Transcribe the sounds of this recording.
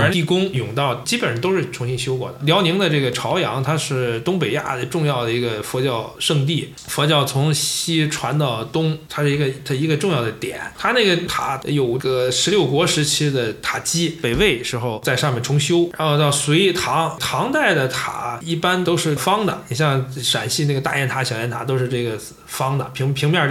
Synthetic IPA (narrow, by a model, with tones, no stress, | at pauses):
a˧˥i˥˩kʊ˥ŋjʊ˨˩ŋt̪ɑ˥˩ʊt͡ɕi˥pə˨˩nɻə˧˥nt̪o˥ʂɻ̩˥˩ʈ͡ʂʰʊ˧˥ŋɕi˥ŋɕjo˥ʊkwɔ̰˨˩d̪ə˩ljɑ˧˥ʊni˧˥ŋd̪ə˧ʈ͡ʂɤ˥˩ɡə˩ʈ͡ʂʰɑ˧˥ʊjɑ˧˥ŋt̪ʰa˥ʂɻ̩˥˩t̪ʊ˥ŋpe˨˩ɪja̰˥˩d̪ə˩ʈ͡ʂʊ˥˧ŋjɑ˥˩ʊd̪ə˩i˧˥ɡə˧fwɔ˧˥t͡ɕjɑ˥˧ʊʂɤ˥˧ŋt̪̬i˥˩ | fwɔ˧˥t͡ɕjɑ˥˩ʊt͡sʰʊ˧˥ŋɕi˥ʈ͡ʂʰwa˧˥nt̪ɑ˥˩ʊt̪ʊ˥ŋt̪ʰa˥ʂɻ̩˥˩i˧˥ɡə˧˥˧i˧˥ɡə˧ʈ͡ʂʊ˥˧ŋjɑ˥˩ʊd̪ə˩t̪jɛ̰˨˩˦nt̪ʰa˥ne˥˩ɡə˩t̪ʰa̰˨˧˥jo˨˩ʊɡə˧ʂɻ̩˧˥ljo˥˩ʊkwɔ˧˥ʂɻ̩˧˥t͡ɕʰi˥d̪ə˨t̪ʰa˨˩t͡ɕi˥pe˨˩ɪwe˥˩ɪʂɻ̩˧˥xo˥˧ʊt͡sa˥˧ɪʂɑ˥˧mjɛ˥˩nʈ͡ʂʰʊ˧˥ŋɕjo˥ʊɻa˧˥nxo˥˧ʊt̪ɑ˥˩ʊswɛ˧˥i˧˩t̪ʰɑ˧˥ŋt̪ʰɑ˧˥ŋt̪a˥˩ɪd̪ə˩t̪ʰa̰˧˥i˥˩pa˥nt̪o˥ʊʂɻ̩˥˩fɑ˥ŋd̪ə̰˨i˨˩ɕjɑ˥˩ŋʂa˨˩nɕi˥˧n˥˩ɡət̪a̰˥˧jɛ˥˩nt̪ʰa˧˥ɕjʊjɛ˥nt̪ʰa˧˥t̪o˥ʊʂɻ̩˥˧ʈ͡ʂɤ˥˩ɡə˩ | fɑ˥ŋd̪ə̰˨pʰŋpʰi˧˥ŋmjɑ˥˧